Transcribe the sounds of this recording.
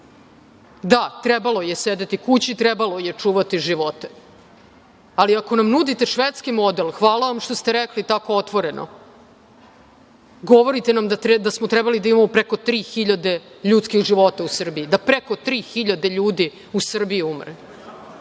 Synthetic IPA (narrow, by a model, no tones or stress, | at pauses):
d̪at̪ɾebalo̞je̞sed̪et̪ikut͡ɕit̪ɾebalo̞jet͡ʂuːʋat̪iʒiʋo̞t̪e̥ | aliako̞namnud̪it̪e̞ʃʋet̪skimo̞d̪elxʋaːlaʋamʃt̪ost̪eɾeklit̪ako̞ot̪ʋo̞ɾe̞nʔo̰ | ɡo̞ʋoɾit̪e̞namd̪at̪ed̪asmot̪ɾɛbalid̪aimamopɾeko̞t̪ɾiːxiʎad̪e̞ | ʎuːt̪skixʒiʋo̞t̪ausr̩biːd̪apɾeko̞t̪ɾiːxiʎad̪e̞ʎuːd̪i | usr̩biiumɾe